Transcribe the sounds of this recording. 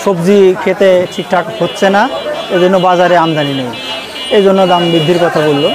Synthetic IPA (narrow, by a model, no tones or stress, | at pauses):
ʃobd͡ʑikʰet̪eʈʰik̚ʈʰakhotːɕʰenaejd͡ʑonːobad͡ʑaɾeamd͡ʑaninej | ejd͡ʑonːod̪ambɾid̪ʱːiɾkɔt̪ʰabolːo